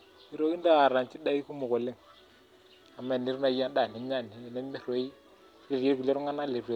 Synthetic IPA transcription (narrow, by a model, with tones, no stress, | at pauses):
i˦ɾo˦ki˦nda˦˨ɾa˨nt͡ʃi˦da˦i˦ku˦mu˨ko˨le˦ŋ | a˨ma˨ni˦ɾna˨˦ja˦da˨ni˨˦ma˦˨ni˨˦˨nɛ˦me˦ɾo˨˦i˦ | le˨ɾe˦ku˨le˦ɾŋa˦na˦le˨ɾe˨˦